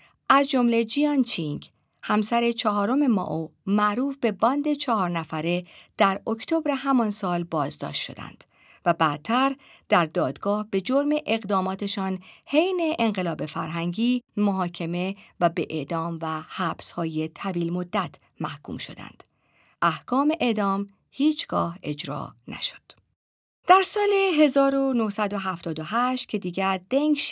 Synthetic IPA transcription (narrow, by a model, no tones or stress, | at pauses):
ʔæzd͡ʒo̞mle̞d͡ʒijɒnt͡ʃʰiŋɡ | hæmsæɾe̞t͡ʃʰɒɦɒːɾo̞me̞mɒ̰ʔomæʔɾuːfbe̞bɒnd̪e̞t͡ʃʰɒɦɒːɾnæfæɾe̞d̪̥æɾokʰt̪ʰo̞bɾe̞ɦæmɒnsɒːlbɒːzd̪ɒ̰ːʃt̪ʃo̞̰d̪æ̰nd̪̥ | væbæt̪ʰːæɾ | d̪̥æɾd̪ɒːd̪ɡɒːhbe̞d͡ʒo̞ɾme̞ʔeɣd̪ɒːmɒːt̪ʰe̞ʃɒːnhe̞jne̞ʔeŋɢelɒːbe̞fæɾɦæŋɟiːmoɦɒːcʰe̞me̞væbeʔed̪ɒːmvæhæːb̥shɒːje̞t̪ʰæviːlmod̪ːæt̪ʰ | mæhkʰṵːmʃo̞̰d̪æ̰nd̪̥ | ʔæhkʰɒːme̞ʔed̪ɒːm | hiːt͡ʃʰɡ̥ɒːhe̞d͡ʒɾɒ̰ːnæ̰ʃo̥d̪̥ | d̪̥æɾsɒːleɦe̞zɒːɾonohsæd̪o̞ɦæft̪ɒːd̪oɦæʃt̪̚cʰe̞d̪iːɡæɾd̪̥eŋɡʃ